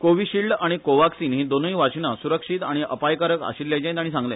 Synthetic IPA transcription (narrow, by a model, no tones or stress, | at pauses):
koʋiɕiɭɖaɽ̃ikoʋaksiːnɦĩd̪onĩʋat͡ɕinasuɾəkʂit̪aɽ̃iʔəpajkaɾəka̰ɕilːjat͡ɕãj̃t̪aɽĩsãŋɡlɛ̃